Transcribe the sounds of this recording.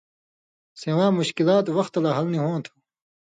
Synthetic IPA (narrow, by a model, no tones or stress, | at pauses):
seːwãːmuɕkilaːt̪wɐxt̪laɦɐlniɦõːt̪ʰu̥